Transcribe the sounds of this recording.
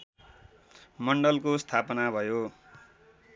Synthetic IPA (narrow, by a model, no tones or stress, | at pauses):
mʌɳɖʌlkost̪ʰapʌnabʱʌjo